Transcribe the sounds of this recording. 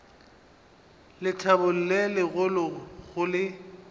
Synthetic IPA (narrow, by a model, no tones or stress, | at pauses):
lɪtʰabʊl̩lelɪɣʊlʊɣʊlɪ